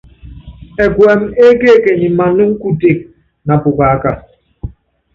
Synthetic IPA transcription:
e˨kwe˨me˦ke˦˨ke˨ɲi˨ma˨nu˦ŋ̩˦ku˦te˦˨k̚ | na˨pu˨ka˨a˦ka˨

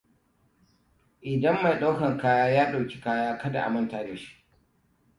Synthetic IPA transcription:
ʔɪ˨dɐ˦mːa˨jɗa˦wkɐ˨ŋkaː˦jaː˦jaː˦ɗa˨wkʲi̥˦kaː˦jaː˦kɐ˦da̰˨ʔa̰˨mɐ˦ntaː˨deː˨ʃi̥˦ʔ

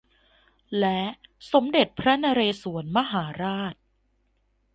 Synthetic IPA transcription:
lɛ˦˥so˩˦mde˨˩t̪̚pʰɾa˦˥naː˧ɾeː˧su˩˦ənma˦˥ɦaː˩˦ɾaː˥˩t̪̚

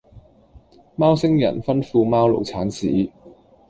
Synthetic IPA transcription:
maː˥wsɪ˥ŋjɐ̰˨˩nfɐ˥nfuː˧maː˥wlo̰˨˩wt͡sʰaː˨˥nsiː˨˥

